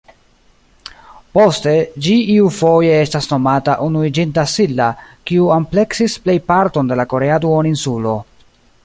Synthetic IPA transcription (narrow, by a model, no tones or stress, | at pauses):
po̞ste̞d͡ʒiiufo̞je̞estasno̞mataʔunuid͡ʒintasilːakiuample̞ksisple̞jpaɾto̞nde̞lako̞ɾeaduoninsulo̞